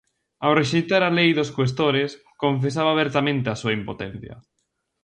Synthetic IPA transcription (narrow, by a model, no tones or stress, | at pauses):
awreʃejt̪aɾalejðoskwest̪oɾes | koɱfesaβaːβɛɾt̪amẽnt̪easuɐimpot̪ɛn̟θjɐ̰